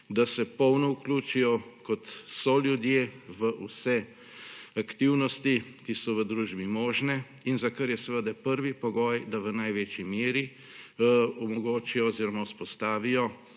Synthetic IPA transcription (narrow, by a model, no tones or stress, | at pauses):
d̪asɛpɔwnɔukluːt͡ʃijɔkɔt̪sɔljud̪jeːʋəʔusɛ | akt̪iwnɔst̪ikisɔʋəd̪ɾuːʒbimɔːʒnɛ | inzakəɾjɛsɛʋəd̪ɛpəɾʋipɔɡɔːjd̪aʋənajʋet͡ʃimeːɾi | ɔmɔɡoːt͡ʃijɔːziɾɔmauspɔst̪aːʋijɔ